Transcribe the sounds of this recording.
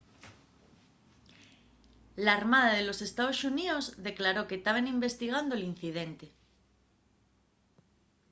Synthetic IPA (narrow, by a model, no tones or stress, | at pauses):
laːɾmaðaðelo̞se̞st̪aosuniozðe̞klaɾo̞ket̪aβ̞enimbe̞st̪iɣ̞and̪oelin̟θiðe̞nt̪e̞